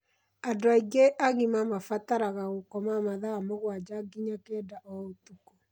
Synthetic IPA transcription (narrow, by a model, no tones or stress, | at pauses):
adoaiɡeʔaɣimamafataɾaɣaɣokɔmamaðaːmoɣwad͡ʒaɡiɲakeːdaʔɔotuku